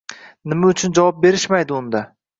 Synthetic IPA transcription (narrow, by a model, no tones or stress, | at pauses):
nɪmaʊt͡ʃʰʊnd͡ʒavɒp̚be̞ɾɪʃmajd̪ɪʊnd̪a